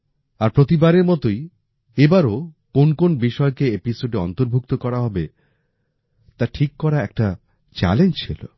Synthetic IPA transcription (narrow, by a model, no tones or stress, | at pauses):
aɾpɾot̪ibaɾeɾmɔt̪oj | ebaɾokonkonbiʃɔekeepisoɖeɔnt̪oɾbʱuk̚t̪okɔɾaɦɔbe | t̪aʈʰikːɔɾaɛk̚ʈa | t͡ɕɛ̰lend͡ʑt͡ɕʰilo̰